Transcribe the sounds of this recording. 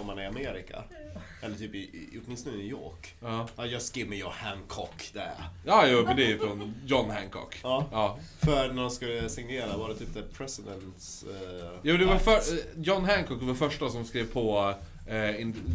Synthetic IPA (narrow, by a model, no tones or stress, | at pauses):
ɔmːhanɪameːɾɪkʰa̰ʔɛlːəɾʈ̪ʰyːpɪɔt̪mɪnst̪ɔnɪjo̰ːkɑːɑːjɑːɡskɪvməjɔhæŋkʰɔkːd̪̥ɛjɑːjuːmɛnd̪ɛæjfɾɔnjɔnːɦæŋkʰɔ̰kɑːɑː | fœɾnæɾɔmskɵlːəsɪŋneːɾavɑːɾɛt̪yːp̚d̪ɛpʰɾɛsɪd̪ɛnt̪sjuːd̪ɛvafœjɔnːɦæŋkʰɔk̚d̪ɛvaɾfœʂʈasɔmskɾeːvpʰɔ | ɪn